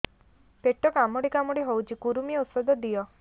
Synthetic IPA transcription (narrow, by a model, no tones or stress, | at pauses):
peʈɔkamɔɽikamɔɽiɦowt͡ʃʰikuɾumieut̪sɔd̪ɔd̪ijɔ